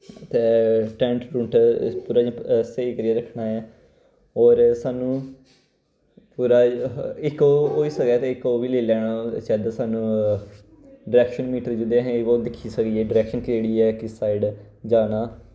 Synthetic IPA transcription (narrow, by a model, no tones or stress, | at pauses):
t̪eːʈɛ̃ːɳʈɾũːɳʈpuːɾaːd͡ʒaseːiːkəɾiɛːɾəkʰɳaːɛː | ɔːɾsaːnũː | puːɾaːɪkoːɦoːiːsəkɛːt̪eːɪkoːʋiːleːlɛːɽ̃oːt͡ʃɛːd̪asaːnũː | ɖɪɾɛːkʃənmiːʈəɾd͡ʒɪd̪eɦẽoːd̪ɪkʰːiːsəkiɛːɖɪɾɛːkʃənkd͡ʒeːɽiːɛːkɪsaːiɖ | d͡ʒaːnaː